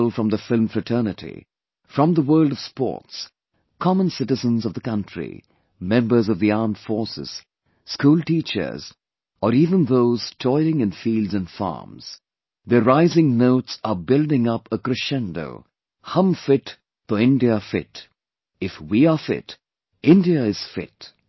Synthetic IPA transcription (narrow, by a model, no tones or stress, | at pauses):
lˠfɹʌ̃mðəfɪlˠmfɹɨtʰɜ˞nɨɾḭ | fɹʌ̃mðəwɜ˞lˠdʌv̥spɔ̰ːts | kʰɑmə̃nsɪɾɨzə̃nzʌvðəkʌ̃ntɹ̥ḭ | mɛ̃mbə˞zʌvðiɑɹmd̥fɔɹsɨ̰z̥ | skuːlˠtit͡ʃə̰˞z̥ | əɾivə̃nðoʊz̥tʰɔɪlɪ̃ŋɨ̃nfiːldzɨ̃nfɑ̰ɹmz̥ | ðəɹaɪzɪ̃ŋnoʊtsəbɪlˠdɪ̃ŋʌpəkɾɨʃɛ̃ndo̰ʊ | hʌ̃mfɪt | təɪ̃ndiəfɪt | ɪfwiəfɪ̰t | ɪ̃ndiəɪz̥fɪ̰t